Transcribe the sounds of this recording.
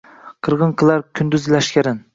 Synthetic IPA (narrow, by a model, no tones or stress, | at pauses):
qʰɨɾʁɨnqʰɨlˠaɾkʲʰʊnd̪yzlaʃkʲaɾɪn